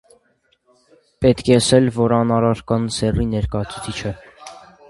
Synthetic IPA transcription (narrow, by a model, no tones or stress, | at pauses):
pɛt̪kʰɛəsɛlvɔɾɑnɑɾɑɾkɑnsɛrinɛɾkɑjɑt͡sʰu̥t͡sʰit͡ʃʰə